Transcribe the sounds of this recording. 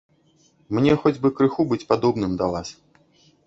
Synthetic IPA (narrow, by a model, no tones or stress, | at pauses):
mnʲɛxɔd͡zʲbɨkɾɨxubɨt͡sʲpad̪ɔbnɨmd̪ɐvas